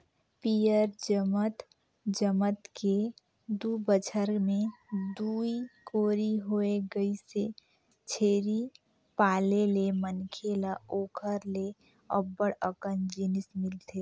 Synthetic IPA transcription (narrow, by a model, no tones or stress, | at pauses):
pijəɾd͡ʒəmət̪ | d͡ʒəmət̪kʰe | d̪ubət͡ʃʰəɾmẽd̪uːikoːɾiɦoeɡəise | t͡ʃʰeːɾi | paːlelemənkʰelaoːkʰəɾle | ɔ̰bəɽəkənd͡ʒɪnɪsmɪlt̪ʰe